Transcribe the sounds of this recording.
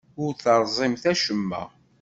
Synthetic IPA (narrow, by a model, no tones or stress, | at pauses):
ʊɾθəɾˤzˤɪmθæʃəmːæ̰